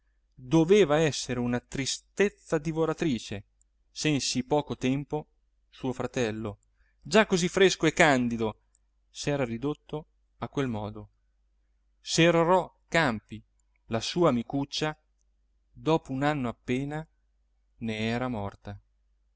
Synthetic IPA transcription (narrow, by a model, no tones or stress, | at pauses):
d̪oveːvaɛsːeɾeunat̪ɾist̪et̪sːad̪ivoɾat̪ɾiːt͡ʃe | sɛnsipɔːkot̪ɛmpo | suːofɾat̪ɛlːo | d͡ʒakːozifːɾeskoekːand̪id̪o | sɛːɾarid̪ot̪ːo | akːwelmɔːd̪o | seɾɾɔ | kampi | lasuːamikut͡ʃːa | d̪ɔːpounanːoapːeːna | neɛːɾamɔrt̪a